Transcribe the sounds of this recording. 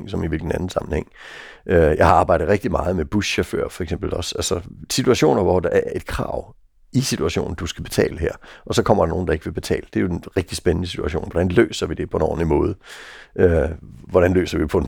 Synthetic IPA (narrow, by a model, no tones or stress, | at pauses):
ŋsɒ̽miʋilɡ̥n̩ænn̩sɑ̈mn̩heŋ̰ | ʔøjɑ̈ɪhɑ̈ɑ̈ːb̥ɑ̈ɪɾ̥ð̩ˠʁeɡ̥̚d̥imɑ̈ːð̞̩ˠmeb̥usɕɒfø̰ɐ̰fɒ̽eɡ̥sem̰b̥l̩ɒ̽sælsɒsit͡sʰuæɕo̝̰ːnɐʋɒd̥ɑ̈ʔæɐʔe̝d̥̚kʰʁɑ̰̈ʊ | isit͡sʰuæɕo̝̰ːn̩d̥usɡ̥æb̥e̝̥t͡sʰɛ̰ːləhæɐ̰ʔɒ̽sɒ̽kʰɒ̽m̰ɐɾ̥ɑ̈no̝ːn̩d̥ɑ̈e̝ɡ̥əʋe̝b̥e̝t͡sʰɛ̰ːləd̥e̝joenʁeɡ̥̚d̥isb̥enənəsit͡sʰuæɕo̰ːnʋɒɾ̥ænlø̰ːsɐʋid̥e̝pʰɒ̽enɒ̰ːnimɔ̽ːð̞̩ˠʔøʋɒɾænlø̰ːsɐʋipʰɒ̽